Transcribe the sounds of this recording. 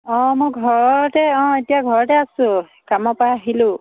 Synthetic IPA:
ɔ̃mʊɡʱɔɹɔtɛɔ̃etijaɡʱɔɹɔtɛasʊ̃ | kamɔpaɦilʊ̃

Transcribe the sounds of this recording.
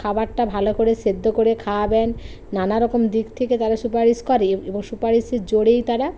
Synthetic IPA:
kʰabaɾʈabʱalokoɾesed̪ːokoɾekʰabɛnː | anaɾɔkomd̪ikt̪ʰeket̪aɾasupaɾiʃkɔɾeeboŋsupaɾiʃed͡ʑoɽejt̪aɾa

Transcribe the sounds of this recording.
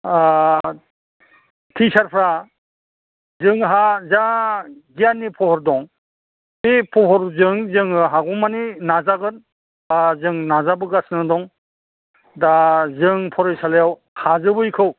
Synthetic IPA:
tʰisaɾpʰɾa | zɯŋɦazaɡijanːipʰɔhɔɾdɔŋ | ipʰɔɦɔɾzɯŋzɯŋɦaɡɔmaninazaɡɯn | azɯŋnazabɯɡasnɯdɔŋ | dazɯŋpʰɔɾɔjsalejaw | hazɯbɯjkʰɯw

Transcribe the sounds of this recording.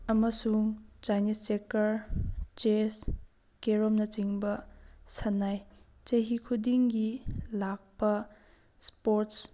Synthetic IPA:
ɐmɐsuŋt͡ʃajnistekɐɾt͡ʃes | keɾomnɐt͡ʃiŋbɐsɐnaj | t͡ʃɐɦikʰudiŋɡilak̚pɐ | spoɾts

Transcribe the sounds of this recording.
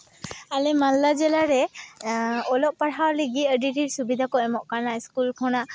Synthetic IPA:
alɛmalːazɛlaɹɛ | ɔlɔʔ̚paɽawliɡiədiɾiɹsubid̪ʱakɔɛmɔʔkaɹnaiskulkʰɔna

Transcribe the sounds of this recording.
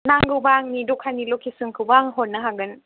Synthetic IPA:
naŋɡɯbaŋnidukʰanilukʰisɯŋkʰɯbaːŋɦonːaɦaɡɯn

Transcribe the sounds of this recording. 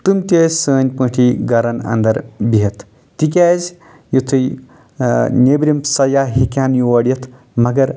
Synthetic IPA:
t̪umt̪ʲeːsəːnʲpə̃ʈʰiɡɐɾɐnɐ̰nd̪ɐɾbiɦɐt̪ʰ | t̪ik̬ʲaːz | jut̪ʰɨj | nʲebɾimsɐjaɦikʲaːnjuʋɐɽjɐt̪ʰ | mɐɡɐɾ

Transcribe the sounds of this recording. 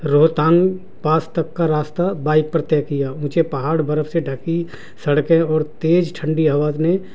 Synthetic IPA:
ɾoːt̪ãːŋɡ | paːst̪əkːaɾaːst̪abaːɪk̚pəɾt̪ɛːkijaũːt͡ʃepɐɦaːɽbəɾəfseɖʱəki | sɐɽkẽɔːɾt̪eːd͡ʒʈʰə̃ɳɖiɦɐʋaːzne

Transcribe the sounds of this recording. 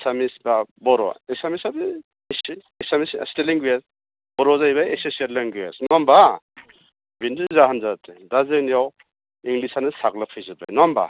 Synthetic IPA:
samisbabɔɾɔ̰esamisabi | s | esamissteliŋɡujas | bɔɾɔzajbaeseseɾleŋɡuja̰snɔmba | bindɯzaɦanzatʰedazenijaw | iŋɡlisanɯsaɡlapʰɯjzɯba̰jnɔmba̰

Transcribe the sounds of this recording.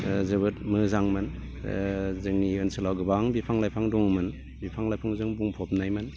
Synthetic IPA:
zɯβɯtmɯzaŋmɯn | zɯŋniɯnsʰɯlawɡɯbaŋbipʰaŋlajpʰaŋdɔŋmɯn | bipʰaŋlajpʰaŋzɯŋbuŋpʰɔp̚najmɯn

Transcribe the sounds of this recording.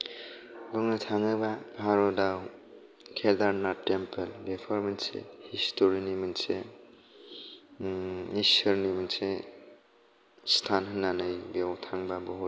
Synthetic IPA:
bɯŋnɯtʰaŋɯbabʱaɾɔdaw | kʰedaɾnatempʰelbepʰɔɾminsḛhistʰoɾinimɯnse | isɯɾniminse | stʰanɦɯnːanɯjbewtʰaŋbabɔɦut

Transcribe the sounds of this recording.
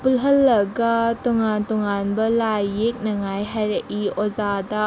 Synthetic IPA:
pulɦɐlːɐɡatoŋantɔŋanbɐlajek̚nɐŋajɦajɾɐʔiozada

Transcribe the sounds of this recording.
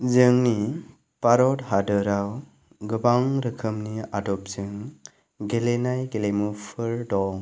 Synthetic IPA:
zɯŋni | paɾɔdɦadɯɾaw | ɡɯbaŋɾɯkʰɯmniadɔp̚zɯŋ | ɡelenajɡelemupʰɯɾdɔ

